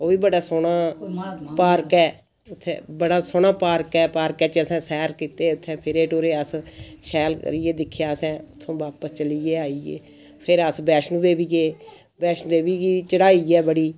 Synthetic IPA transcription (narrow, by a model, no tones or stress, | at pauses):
oːiːbəɽaːsoːnaː | paːɾkɛː | ʊt̪ʰːḛ̃ːbəɽaːsoːɳaːpaːɾkɛːpaːɾkɛːt͡ʃəsɛ̃ːsɛːɾkiːt̪eːʊt̪ʰːɛ̃ːpʰɪɾeːʈoːɾeːəsʃɛːlkə̰ɾiːeːd̪ɪkʰːjaːsɛ̃ːʊt̪ʰːõːbaːpəst͡ʃəliːeːaːiːḛː | pʰɪɾəsbɛːʃnũd̪eːʋiːɡeː | bɛːʃnːd̪eːʋiːɡiːt͡ʃəɽaːiːɛːbəɽiː